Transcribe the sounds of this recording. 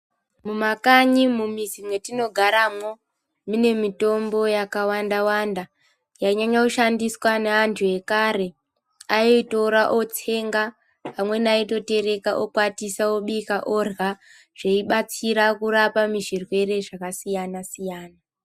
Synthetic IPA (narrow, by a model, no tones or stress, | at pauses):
mumakaɲimumizimwe̞tino̞ɡʱaɾamo̞ | mune̞mito̞mbo̞jakawandawanda | jaɲaɲakuʃandiswaneantʰuje̞kaɾe̞ | aoitoɾaʔo̞t͡se̞ŋɡa | pamwe̞naito̞te̞ɾe̞kaʔokwatisaoɓikaʔorɣa | ʐ̥eiɓat͡siɾakuɾapamiʐirwe̞ɾe̞ʐakasijanasijaːna